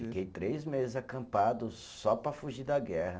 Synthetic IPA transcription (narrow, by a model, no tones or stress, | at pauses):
fikejt̪ɾejzmezɪzakɐ̃mpad̪ʊ | sɔpɾɐfuʒiɾd̪ɐɡɛhɐ